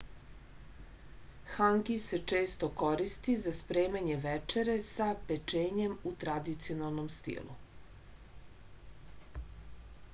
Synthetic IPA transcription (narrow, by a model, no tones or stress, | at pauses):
xaŋkise̞t͡ʃe̞ːst̪oko̞ɾist̪izaspɾeːmaɲeʋɛt͡ʃeɾesapet͡ʃeːɲemut̪ɾad̪it̪sio̞nalˠnomst̪ḭlˠṵ